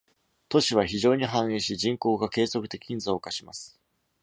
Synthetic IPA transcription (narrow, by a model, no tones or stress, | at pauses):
t̪o̞ɕiβ̞açiʑo̞ːɲ̟iɦãɰ̃ẽɕid͡ʑĩŋko̞ːɡake̞ːzo̞kɯ̟t̪e̞kʲiɲ̃nzaokaɕima̰sɨ̥